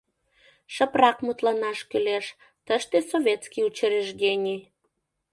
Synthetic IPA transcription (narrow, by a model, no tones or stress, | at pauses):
ʃəprɑkmut̪lɑnɑʃkyleʃ | t̪əʃt̪esoβʲet̪skiut͡ɕəɾeʒɣenʲi